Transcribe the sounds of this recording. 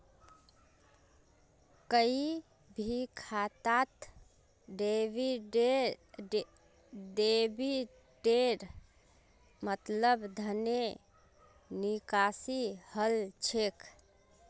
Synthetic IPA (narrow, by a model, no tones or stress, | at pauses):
kəi | bʱikʰat̪at̪ | ɖebiɖe | ɖebi | ɖeɾ | mət̪ləbd̪ʱəne | nikasihəlt͡ʃʰekʰ